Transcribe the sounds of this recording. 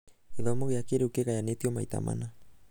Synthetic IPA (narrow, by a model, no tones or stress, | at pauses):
eðomoɣeakeɾeukeɣajanet̪ioma̰jt̪a̰mʔa̰na